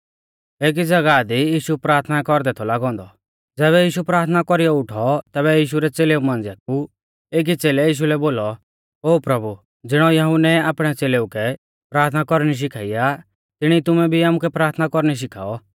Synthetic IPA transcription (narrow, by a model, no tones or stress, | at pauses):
eːk̬id͡zɐɡad̪ijiːʃupɾaːɾt̪ʰnakɔɾd̪ɛt̪ʰɔlaːɡɔ̃ːnd̪ɔ | d͡zɛːβɛjiːʃupɾaːɾt̪ʰnakɔɾijɔʊʈʰɔt̪ɛːbɛjiːʃuɾɛt͡seːleumãnd͡zijak̚u | eːk̬it͡seːlɛjiːʃ̬ulɛboːlɔ | oːpɾɐbʱu | d͡zɪɽ̃ɔjɐɦunɛaːpɽ̃ɛt͡seːleukɛ | pɾaːɾt̪ʰnakɔɾñiʃ̬ɪkʰaːija | t̪ɪɽ̃it̪ʊmɛbʱiaːmukɛpɾaːɾt̪ʰnakɔɾñiʃ̬ɪkʰa̰ːɔ